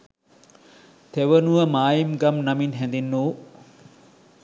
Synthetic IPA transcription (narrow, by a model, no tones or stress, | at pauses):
t̪eʋənuʋəmaːjimɡamnaminɦɛnd̪inːuː